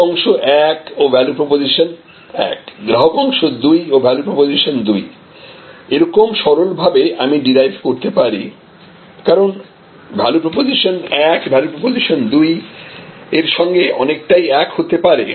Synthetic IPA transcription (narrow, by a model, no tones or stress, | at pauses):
ɔŋʃoʔɛkobʱɛlupɾɔpoziʃon | ɛ̰kɡɾaɦokɔŋʃod̪ujobʱɛlupɾɔpoziʃond̪uj | eɾɔkomʃɔɾolbʱabeamiɖiɾajvʱkoɾt̪epaɾi | kaɾon | bʱɛlupɾɔpoziʃonɛkbʱɛlupɾopoziʃond̪uj | eɾʃɔŋɡeʔɔ̰nek̚ʈajɛkhot̪epaɾḛ